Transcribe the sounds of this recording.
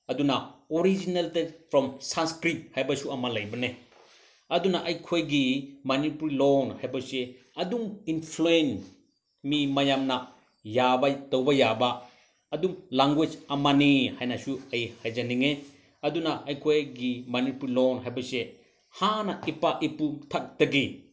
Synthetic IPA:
ɐdunaoɾid͡ʒineltepʰɾɔmsanskɾip̚hajbɐsuɐmalɐjbɐne | ɐdunaʔɐjkʰojɡimanipɾilonhajbɐse | ɐduminpʰluen | mimajamna | jabɐtowbɐjabaː | dumlaŋɡwed͡ʒɐmanihajnasuɐjhajd͡ʒaniŋe | ɐdunaʔɐjkʰojɡimanipuɾilonɦajbɐse | hanɐipaʔipumtʰak̚dɐɡi

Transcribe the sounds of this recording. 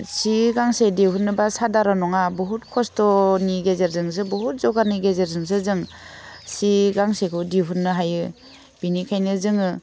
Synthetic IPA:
siɡaŋsediɦunːɯbasadaɾɔnɔŋabuɦutkʰɔstɔniɡezeɾzɯŋs̬ɯbuɦut̚zɔɡaɾniɡezeɾzɯŋs̬ɯzɯŋ | siɡaŋsekʰɯdiɦunːɯɦajɯ | binikʰajnɯzɯŋɯ

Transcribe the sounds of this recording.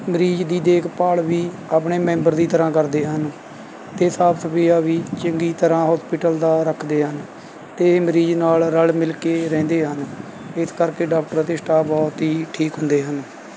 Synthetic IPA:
məɾiːd͡ʒd̪iːd̪eːkʰpaːlʋiː | aːpɳeːmɛ̃ːmbəɾd̪iːt̪əɾãːkəɾd̪eːɦən | t̪eːsaːbsəpiːaːʋiːt͡ʃəŋɡiːt̪əɾãːɦɔːspɪʈəld̪aːɾəkʰd̪eːɦən | t̪eːməɾiːd͡ʒnaːlɾəlmɪlkeːɾɛ̃ːnd̪eːɦən | ɪskəɾkeːɖaːkʈəɾt̪eːsʈaːbɔːt̪ɦiːʈʰiːkɦʊ̃nd̪eːɦən

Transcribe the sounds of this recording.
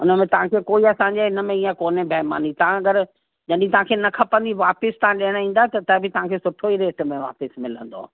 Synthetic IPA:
ʊnəmẽt̪ɐʋ̤ãkʰeːkoːiɐsãɲd͡ʑeɪnə̆mẽiːə̃koːnẽbʱɐɦma̰ːnit̪ɐãɐɡəɾ | d͡ʑɐɗɪ̃ĩt̪ɐʋ̤ãkʰeːnɐkʰɐpə̃nd̪iʋaːpɪst̪ɐãɗeɽ̃ĩːn̆d̪at̪ɐt̪ɐbʱɪt̪ɐɦãkʰeːsʊʈʰoiɾeːʈmẽʋa̰ːpəsmɪlə̃nd̪o̰

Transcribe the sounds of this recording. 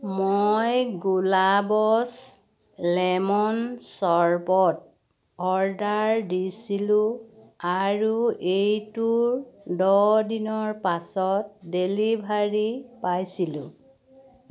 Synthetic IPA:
mojɡulabɔs | lɛmɔnsɔɹbɔt̚ | ɔɹdaɹdisilũaɹuejtuɹdɔdinɔɹpasɔt̚delibʱaɹipajsilʊ̰̃

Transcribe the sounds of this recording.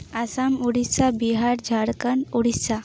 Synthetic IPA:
asamuɽisabiɦaɾd͡ʒʱaɽkənuɽisa

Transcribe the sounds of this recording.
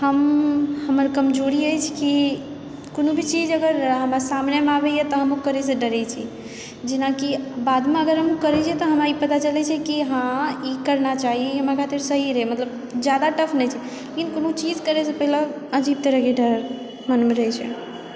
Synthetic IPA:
həmhəməɾkəmd͡ʒoɾiəjt͡ʃʰki | konobʱit͡ʃid͡ʒəɡəɾɦəmɾasamnemeabɛjɛt̪ɔɦəmukəɾɛs̬eɖəɾɛt͡ʃʰi | d͡ʒinakibad̪meəɡəɾɦəmukəɾɛt͡ʃʰɛt̪ɔɦəmaipət̪at͡ʃəlɛt͡ʃʰɛkiɦãikəɾnat͡ʃaɦiɦəmakat̪iɾsəɦiɾəɦɛmət̪ləb̚ | d͡ʒjad̪aʈəpʰnɛjt͡ʃʰɛ | lekinkonot͡ʃid͡ʒkəɾɛsepəɦila | əd͡ʒib̚t̪eɾəɡiɖəɾ | mənmeɾəɦɛt͡ʃʰɛ̰

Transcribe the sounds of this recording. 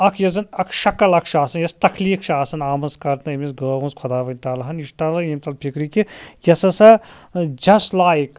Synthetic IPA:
ɐkʰjɐzɐnɐkʰʃɐkɐlɐkʰʃaːsɐnjɐst̪ɐkʰliːkʰʃaːsɐnaːmɐnskɐɾt̪nɐimisɡəːʋũnskʰɔd̪aːʋɐnʲt̪aːlɐɦɐniʃʈ̪ɐlɐimt̪ɐlpʰʲikɾikijɐsɐsɐd͡ʒɐstlaːik

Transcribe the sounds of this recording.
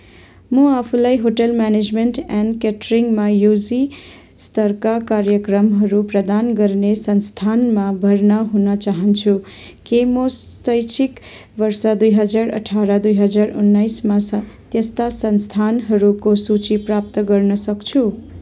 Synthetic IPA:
mʌapʰulajɦoʈʌlmaned͡zmeɳʈɛnkeʈriŋɡmajud͡zi | st̪ʌrkakaɾjʌkrʌmɦʌɾuprʌd̪anɡʌrnesʌnst̪ʰanmabʱʌrnʌɦunʌt͡saɦʌnt͡sʰu | kimos | ʌjt͡sʰik | bʌrsʌd̪ujɦʌd͡zaɾʌ̰ʈʰaɾʌd̪ujɦʌd͡zarunːajsmast̪jʌst̪asʌnst̪ʰanɦʌɾukosut͡siprap̚t̪ʌɡʌrnʌsʌkt͡sʰu

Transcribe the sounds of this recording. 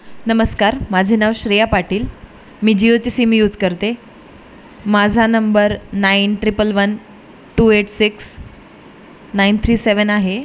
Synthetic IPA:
nəməskaɾmad͡ʑʱinaʋɕɾijapaʈʰiːl | miːd͡ʑiot͡sisimijuːd͡zʱkəɾt̪e | mad͡zʱanəmbəɾnainʈɾipəlʋən | ʈuːeʈsiks | naint̪ʰɾiːseʋənaɦe

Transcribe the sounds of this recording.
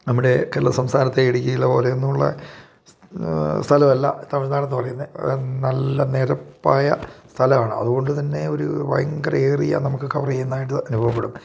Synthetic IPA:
nɐmːiɽe̞keːlːɐsɐmst̪aːnɐt̪ːeeɽikʲːɐilːɐpo̞ːleonːuuɭːɐ̰ | st̪ʰɐlɐmɐlːɐ̰t̪ːɐmɐɾnaːlɐnːɨpɐrɐjunːɐnɐlːɐne̞ːɾɐpːaːjɐ̰st̪ʰɐlɐmaːɳɨɐ̰ðuɣo̞ɳɖɨt̪̬ɐnːe̞o̞ɾṵʋɐ̰jɐŋɡɐreːrḭjɐ̰nɐmukːɨkɐʋrɐjenːaːjiʈ̬ːɨɐnubʱɐʋɐpːeɽum

